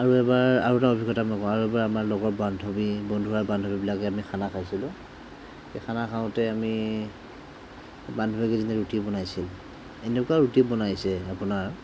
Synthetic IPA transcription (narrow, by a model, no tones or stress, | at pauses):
aɹuɛbaɹa̰ɹutaobʱikɔtamɔjkɔ̃aɹuɛbaɹamaɹlɔɡɔtbandʱɔbibɔndʱuɦaɹbandʱɔbibilakɛamixʰanakʰajsilʊ̃ | xexʰanakʰaʊ̃tɛami | bandʱɔbikɛzinɛɹutibɔnajsil | enʊkaɹutibɔnajsɛapʊnaɹ